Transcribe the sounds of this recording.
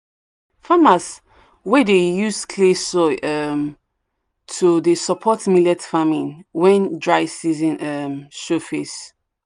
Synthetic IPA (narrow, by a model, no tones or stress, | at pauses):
famas | wɛdejuskʰlesɔʔɛm | tʰudesɔpʰɔtmilɛtfamĩnwɛ̃ndɹaɪsizĩnɛmʃofes